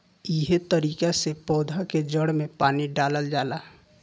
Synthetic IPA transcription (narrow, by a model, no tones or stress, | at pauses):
iɦet̪əɾiːkasepɔːd̪ʱaked͡ʒəɽmẽpaːniɖaːləld͡ʒaːla